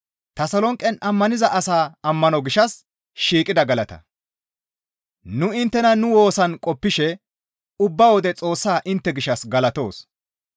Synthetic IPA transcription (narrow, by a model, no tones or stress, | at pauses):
t̪ɐsɐlɔŋkʼːɛnʔɐmːɐnɪzɐʔɐsaːɐmːɐnɔɡɪʃɐs | ʃiːkʼɪd̪ɐɡɐlɐt̪ɐ̰ | nʊɪnt̪ːɛnɐnʊwo̞ːsɐnkʼɔpːɪʃɛ | ʊbːɐwɔd̪ɛt͡sʼo̞ːsːaːʔɪnt̪ːɛɡɪʃːɐsɡɐlɐt̪o̞ːs